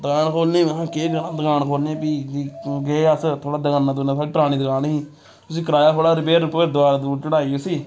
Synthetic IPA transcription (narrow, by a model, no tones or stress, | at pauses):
d̪əkaːnkʰoːɾnẽːãːkeɡənãːd̪əkaːɳkʰoːɾnĩːpiːiɡeːəst̪ʰoːɽaːd̪əkaːnãːd̪ʊnãːsaːɽiːpɾaːɽĩːd̪əkaːnːiː | t̪ʊsĩːkəɾaːjaːkʰoːɽaːɾbeːɾʊpːed̪ʊaːɾad̪uːt͡ʃəɽaːiːʊsiː